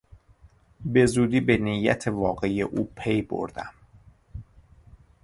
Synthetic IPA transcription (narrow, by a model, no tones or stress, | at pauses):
be̞zuːd̪iːbenijːæ̰t̪ʰevɒːɢeijeʔuːpʰe̞jbo̰ɾd̪æ̰m